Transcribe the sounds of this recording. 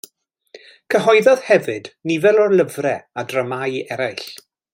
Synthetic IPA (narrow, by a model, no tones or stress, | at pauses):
kʰəɦɔɨðɔð̥hɛvɨdnivɛlˠɔrlˠəvrɛadrəmajɛɾajɬ